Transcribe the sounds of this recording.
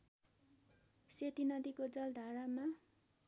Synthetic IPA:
set̪inʌd̪ikod͡zʌld̪ʱaɾama

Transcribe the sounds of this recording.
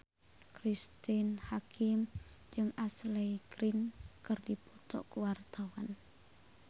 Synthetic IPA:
kɾist̪inhakʰim | d͡ʒɨŋʔaslɛjɡɾinkərdiput̪ɔ̰ʔkuwart̪awan

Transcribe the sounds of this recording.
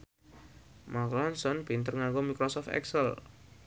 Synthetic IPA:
maklɔnsɔnbint̪ərŋaŋɡomikɾɔsɔft̪ɛ̰ksəl

